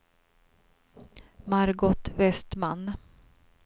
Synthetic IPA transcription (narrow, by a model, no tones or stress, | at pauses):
maɾɡɔt̪vɛst̪man